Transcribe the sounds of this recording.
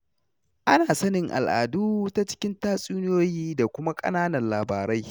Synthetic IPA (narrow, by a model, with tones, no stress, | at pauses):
ʔa˦naː˨sɐ˦nɪ˨ŋʔa̰˨lʔa̰ː˨duː˦ta˦t͡ʃɪ̥˦kʲɪ˦ntaː˦sʼuː˦nɪ˦joː˦jiː˦da˨kʷʊ˦ma˦kʼɐ̰˦naː˦nɐ˨nlaː˨baː˨ɾa˦j